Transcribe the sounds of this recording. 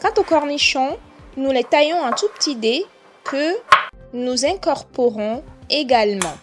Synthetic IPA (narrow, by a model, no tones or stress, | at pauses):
kɑ̃t̪okɔʁniʃɔ̃nulɛt̪ajɔ̃ɛ̃t̪upə̥t̪id̪e | kʰə | nuzɛ̃kɔʁpɔʁɔ̃eɡalmɑ̃